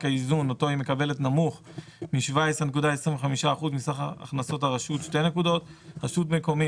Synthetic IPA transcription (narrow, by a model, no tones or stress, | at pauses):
kaizunoto̞imekabe̞le̞tnamuχmiʃvaesenek̬udaesʁĩmveχamiʃaːχuzmisaχaa̰χnaso̞taʁaʃutʃte̞jne̞kud̪o̞tʁaʃutmeko̞mi